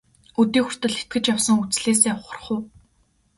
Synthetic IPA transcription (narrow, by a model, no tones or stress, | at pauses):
ut̪iːxʊr̥t̪ə̆ɮet̪̚ɡɘ̆t͡ɕjawsə̆ŋut͡sɮeːs̬eːwχə̆r̆χʊː